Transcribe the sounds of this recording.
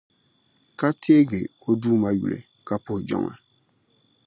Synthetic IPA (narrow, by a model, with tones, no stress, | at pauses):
ka˦tʰe˦ɡe˨o˦duː˦ma˦jṵ˨lḛ˨ | ka˦po˨hd͡ʒɔ̰˦ŋa̰˨